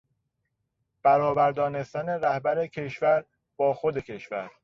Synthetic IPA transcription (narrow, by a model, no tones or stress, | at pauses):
b̥æɾɒːbæɾd̪ɒːne̞st̪æne̞ɾæhbæɾe̞cʰe̞ʃvæɾ | b̥ɒːxod̪e̞cʰe̞ʃvæ̰ɾ